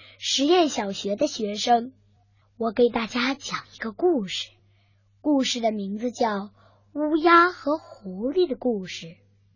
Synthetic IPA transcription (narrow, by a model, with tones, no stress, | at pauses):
ʂɻ̩˧˥jɛ˥˩nɕjɑ˨˩ʊɕɥɛ˧˥d̪ə˧ɕɥɛ˧˥ʂɤ˥ŋ | wɔ˨˩˥ke˨˩ɪt̪a˥˩t͡ɕja˥t͡ɕjɑ˨˩ŋi˧˥ɡə˧ku˥˩ʂɻ̩̥˨˩ | ku˥˧ʂɻ̩˥˩d̪ə˩mi˧˥ŋd͡zɹ̩˧t͡ɕjɑ˥˩ʊ | u˥ja˥xɤ˧˥xu˧˥li˥˩d̪ə˩ku˥˩ʂɻ̩˥˩